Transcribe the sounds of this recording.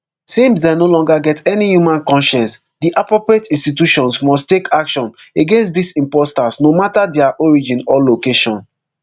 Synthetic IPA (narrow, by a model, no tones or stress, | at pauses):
sĩms̬denolɔ̃ŋɡaɡɛtɛnijumãnkɔ̃nʃɛ̃ns | diʔapɹɔpɹietĩnstituʃɔ̃nsmɔstekʰakʃɔ̃n | eɡẽnstdisĩmpɔstasnomatadɛaʔɔɹid͡ʒĩnɔlokeʃɔ̃n